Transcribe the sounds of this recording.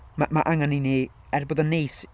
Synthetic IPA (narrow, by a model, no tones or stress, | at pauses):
mamaʔaŋanini | ɛrbodənːejs